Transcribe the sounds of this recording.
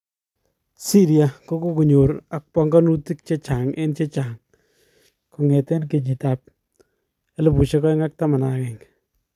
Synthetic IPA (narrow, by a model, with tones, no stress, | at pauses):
si˦ɾija˨ko˦ko˦ku˨ɲo˨ɾa˨k̚pɔ˦ŋɡa˦nu˦ti˦k̚t͡ʃe˦t͡ʃa˨ŋḛ˦nt͡ʃe˦t͡ʃa˨ŋ | ku˨ŋɛ˨te˦nke˨ɲi˨ta˦p̚ | e˦lɪ˨pu˨ʃe˦kɔ˦jŋa˦k̚ta˦ma˨na˨kɛ˨ŋ